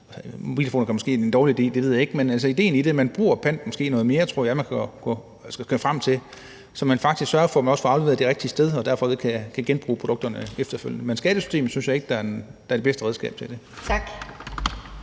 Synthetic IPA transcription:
sob̥ḭːlefo̝ːn̩kʰæmɔ̽sɡ̥e̝̰ːend̥ɒːliide̝̰ːd̥eʋe̝ð̰ˠje̝ɡ̥menæls̬əid̥e̝̰ːn̩ide̝mænb̥ʁṵːɐpʰæn̰d̥mɒ̽sɡ̥e̝̰ːnɔ̽ːð̞̩ˠme̝ːɐt͡sʰo̝ɐ̰jɑæmænkʰæɡ̥ɡ̥ɔ̰ | sɡ̥ɡ̥ɔfʁam̰t͡sʰe̝ | sɒ̽mænfɑ̈ɡ̥d̥isɡ̥sɶɐfɒmænɒ̽sfɒ̽ɑ̈ʊleʋe̝ð̩ˠd̥iʁeɡ̥d̥isd̥eð̞ˠɒ̽d̥æɐfɒʋe̝ðˠkʰækʰæɡ̥enb̥ʁṵːpʰʁo̝d̥ɔ̽ɡ̥d̥ɐnəefd̥ɐfø̰l̰jənəmensɡ̥ɛːɾ̥əsy̥sde̝̰ːm̩ˠsynsɕjɑ̈e̝ɡ̥̚d̥ɑd̥ɑæɐde̝besd̥əʁɛð̞ˠsɡ̥ɛ̰ːb̥t͡sʰe̝ld̥e̝ | t͡sʰɡ̥

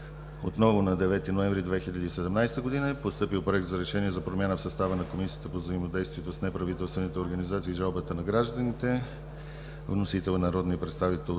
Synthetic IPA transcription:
o̰t̪nɔvʊnɐd̪ɛvɛt̪inoɛ̃ɱvɾid̪vɛxiʎʲəd̪iːsɛd̪ɛmnajst̪əɡod̪inəɛpost̪ɤpilˠpɾoɛk̚t̪zɐɾɛʃɛniɛzɐpɾomʲjanəfsɐst̪avənɐkomisijə̥t̪əpovzəimod̪ɛjst̪viɛt̪osnɛpɾɐvit̪ɛlˠst̪vɛnit̪ɛoɾɡənizat̪siːʒalˠbət̪ənɐɡɾaʒd̪ənit̪ɛ | vnosit̪ɛlˠnɐɾɔd̪nipɾɛt̪st̪avit̪ɛlˠ

